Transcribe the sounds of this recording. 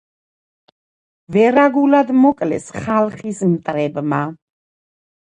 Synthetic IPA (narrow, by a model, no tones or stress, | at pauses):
vɛɾaɡulad̪mɔkʼlɛ̰sχalˠχismt̪ʼɾɛbma